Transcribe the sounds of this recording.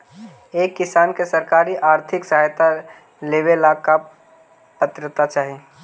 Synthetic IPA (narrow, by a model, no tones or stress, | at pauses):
eːkːɪsaːnkesɐɾkaːɾiʔaːɾt̪ʰɪksɐɦajt̪a | leːʋelaːka | pət̪ɾət̪at͡ʃaːɦie